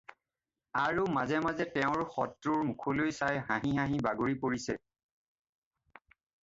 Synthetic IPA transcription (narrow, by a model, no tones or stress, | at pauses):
aɹumazɛmazɛtɛʊ̃ɹxɔtɹuɹmukʰolojsajɦãɦĩɦãɦĩbaɡoɹipoɹisɛ